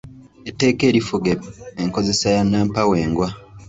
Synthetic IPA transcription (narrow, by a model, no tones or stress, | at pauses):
etːe̞ːke̞ːɾifuɡeeŋko̞ze̞sajanːaːmpawe̞ːŋɡwa